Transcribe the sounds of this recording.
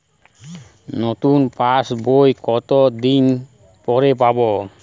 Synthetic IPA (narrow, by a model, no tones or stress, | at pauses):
not̪unpasbojkɔt̪od̪iɲ | pɔɾepabɔ